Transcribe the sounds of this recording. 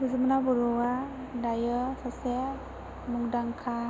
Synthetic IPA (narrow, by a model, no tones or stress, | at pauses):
bɯzɯmanabɔɾɔa | dajəsase | muŋdaŋkʰa